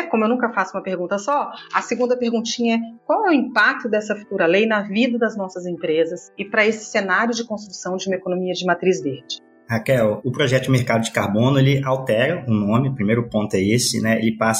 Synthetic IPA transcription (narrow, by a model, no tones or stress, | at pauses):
kõmʊewñŋkɐfasʊũmɐpeɾɡũnt̪ɐsɔɐsɪɡũnd̪ɐpeɾɡũnt͡ʃĩɲɐɛkwawɛʊĩpak̚t̪ʊd̪ɛsɐfu̥t̪uɾɐlejnɐvid̪ɐd̪ɐznɔsɐzẽpɾezɐsɪpɾɐesɪ̥senaɾjʊd͡ʒɪkõst̪ɾusɐ̃w̃d͡ʒɪũmɐekonõmiɐd͡ʒɪmat̪ɾizveɾd͡ʒɪ | hakɛwʊpɾɔʒɛt̪ʊmeɾkad̪ʊd͡ʒɪkaɾbõnʊelɪawt̪ɛɾɐʊnõmɪʊpɾimejɾʊpõnt̪ʊɛesɪ̰nɛḛlɪpas